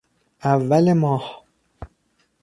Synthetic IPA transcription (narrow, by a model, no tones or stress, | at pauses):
ʔævːælemɒːh